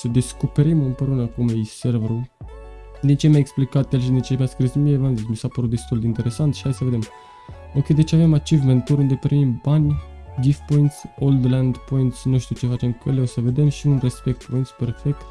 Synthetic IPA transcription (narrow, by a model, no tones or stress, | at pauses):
səd̪e̞sko̞pe̞ɾimɨnpeɾunəkumejserveɾu | d̪int͡ʃelmajeksplikat̪elʃ̬id̪int͡ʃemaskɾismievanzimisapəɾut̪̚d̪e̞st̪uld̪eint̪e̞ɾe̞sant̪ʃi̥hajsəve̞d̪em | okʲe̞jd̪et͡ʃeave̞mat͡ʃivlent̪uɾund̪e̞pɾimimbanʲɡifpo̞int̪sold̪land̪po̞int̪snuʃt̪ut͡ʃe̞fat͡ʃe̞mkeleosəve̞d̪e̞mʃiunre̞spe̞k̚t̪̚point̪spe̞rfe̞k̚t̪